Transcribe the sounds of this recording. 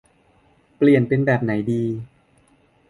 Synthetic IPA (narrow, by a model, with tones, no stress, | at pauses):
pli˨˩ənpe˧nbɛː˨˩p̚na˩˦jdiː˧